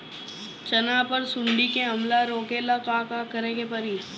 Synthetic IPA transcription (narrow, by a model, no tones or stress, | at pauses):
t͡ʃɐnapəɾsʊɳɖikeɦɐmlaɾoːkelakakakəɾẽːɡepɐɾiː